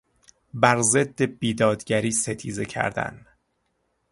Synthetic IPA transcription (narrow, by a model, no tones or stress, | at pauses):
bæɾze̞d̪ːe̞biːd̪ɒːd̪ɟæɾiːse̞t̪ʰiːze̞cʰæ̰ɾd̪æ̰n